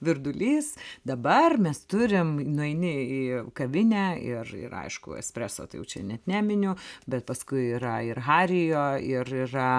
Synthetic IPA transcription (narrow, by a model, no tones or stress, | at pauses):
ʋʲɪrd̪ʊlʲiːsd̪ɐbɐrmʲɛst̪ʊɾʲɪmnʊɛɪnʲɪiːkɐʋʲɪnʲæːɪrɪ̰rɐ̰ɪʃkʊ̰ɛ̰sʲpʲɾʲæːso̰ːt̪ɐɪjɛ̰ʊt͡ʃʲɛ̰nʲɛt̪nʲæːmʲɪnʲʊbʲɛt̪̚pɐskʊɪiɾɐɪrɦɑːɾʲɪjoːɪrirɐ